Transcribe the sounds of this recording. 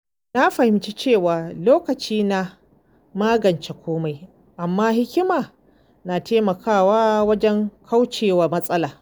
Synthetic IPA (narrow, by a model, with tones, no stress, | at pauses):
na˦ɸɐ˨hɪ˨mt͡ʃe˦t͡ʃeː˦˨waː˨loː˦kɐ˨t͡ʃiː˦na˦ | maː˦ɡɐ˨nt͡ʃe˨kʷoː˦ma˨j | ʔa˨mːaː˦ɦɪ˦kʲɪ˦maː˨ | naː˨teː˦mɐ˨kʰaː˦˨waː˦wɐ˦d͡ʒɛ˦ŋkʰa˦wt͡ʃeː˨wa˨mɐ˦sʼɐ˦laː˨